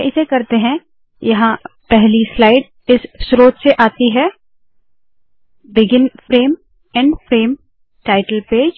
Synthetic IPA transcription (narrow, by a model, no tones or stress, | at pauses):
ʔɪsekɐɾt̪eɦɛ̃ | jɐɦãpɛɦlislaːɪɖ | ɪsːɾoːt̪seʔaːt̪iɦɛː | bɪɡɪnfɾeːm | ɛ̃ɳɖfɾeːm | ʈaːɪʈəlpeːd͡ʒ